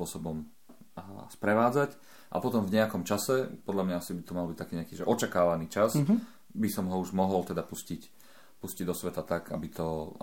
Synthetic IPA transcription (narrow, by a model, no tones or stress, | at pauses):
ʊɔsɔbɔm | spɾɛʋaːd͡zac | ʔa̰pɔt̪ɔmvɲɛakɔmt͡ʃasɛpɔd̪lamɲaasibit̪ɔmalɔbic̚t̪akiːɲɛakiːʒɛʔɔt͡ʃakaːʋaniːt͡ʃas | bisɔmɦɔuʒmɔɦɔlt̪ɛd̪apuscic | pusciɟd̪ɔsʋɛt̪at̪aɡa̰bit̪ʰɔ